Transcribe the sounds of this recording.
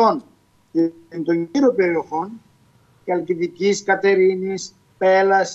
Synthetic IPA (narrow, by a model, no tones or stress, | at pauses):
on | nt̪oɲiɾope̞ɾio̞xo̞n | cɐlciðiciskɐt̪e̞ɾinis | pelɐs